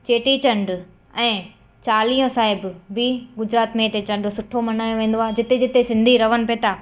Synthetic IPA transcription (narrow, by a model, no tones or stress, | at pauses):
t͡ɕeːʈit͡ɕɐ̃ɳɖ | ɛ̃ː | t͡ɕaːlijõsaːɦɪbbɪɡʊd͡ʑɾaːt̪mẽɪt̪et͡ɕɐ̃ɳɖsʊʈʰomɐnaːjõʋẽːn̆d̪oaːd͡ʑɪt̪ed͡ʑɪt̪esɪ̃nd̪ʱiɾɐʋənɪpet̪aː